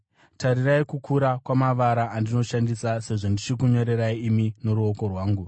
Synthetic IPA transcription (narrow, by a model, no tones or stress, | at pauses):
taɾiraikukʰuɾakwamaʋaɾaʔandino̞ʃandisase̞ʐondit͡ʃikuɲo̞ɾe̞ɾaiimino̞ɾuo̞ko̞rwaːŋɡu